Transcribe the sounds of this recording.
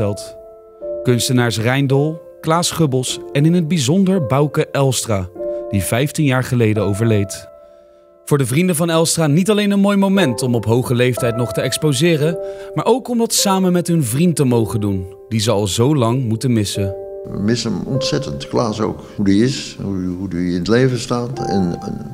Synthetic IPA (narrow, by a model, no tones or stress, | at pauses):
ɛlˠt | kɵnstənaːɹs̬rɛjndɔlˠ | klaːsχɵbəlˠsɛnɪnɦəd̚bizɔndəɹbɑwkəʔɛlˠstraːdivɛjftinjaːɹχəlejdəowvəɹlejt | v̥ʊːɹdəvrindəvɑnɛlˠstraːnitɑlejnənmoːjmowmɛntɔmɔpɦowχəlejftɛjtnɔχtəɛkspozɪːrəmaːɹʔowkɔmdɑtə̥saːmənmɛtɦɵnvrintəmowχədun | dizəɑlˠzowlɑŋmutənmɪsə | ʋə̰mɪsəmɔ̰ntsɛtəntklaːso̰wk | hudiɪsuɦudiɪnətlejvəstaːtɛ̰n